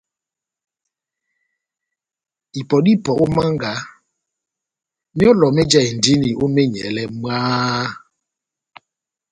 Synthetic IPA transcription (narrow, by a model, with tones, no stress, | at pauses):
i˨pɔ˨di˦pɔ˨ʔʊ˦ma˦ŋ˦ɡa˨ | mi˦ɔ˦lɔ˨me˦d͡ʒa˦i˨n̩˨di˦ni˨ʔo˦me˦ɲḛ˨le˦m˦aː˦